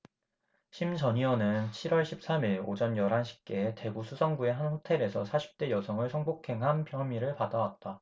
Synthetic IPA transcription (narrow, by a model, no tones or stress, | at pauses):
ɕʰimt͡ɕʌɲiʌnɯnt͡ɕʰiɾwʌɭɕʰip̚s͈amiɭo̰d͡ʑʌnjʌɾɦanɕʰi̥p̚k͈e̞te̞ɡusʰusʰʌŋɡue̞ɦanɸotʰe̞ɾe̞sʰʌsʰaɕʰi̥p̚t͈e̞jʌsʰʌŋɯɭsʰʌŋbokʰe̞ŋɦanpjʌmiɾɯɭpadawat̚t͈a